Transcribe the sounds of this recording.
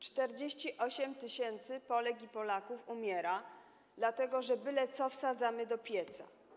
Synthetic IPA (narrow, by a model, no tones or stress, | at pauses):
t͡ʂt̪ɛɾd͡ʑeɕt͡ɕiʔɔɕɛmt̪ɘɕɛnt̪sɘpɔlɛkʲipɔlakufumʲjɛɾa | d̪lat̪ɛɡɔʐɛbɘlɛt̪sɔfsad̪zamɘd̪ɔpʲjɛt̪sa̰